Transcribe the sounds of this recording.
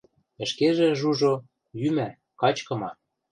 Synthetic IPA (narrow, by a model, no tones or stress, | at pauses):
ə̆ʃkeʒĕʒuʒo | jymæ | kɑt͡ɕkɤ̆mɑ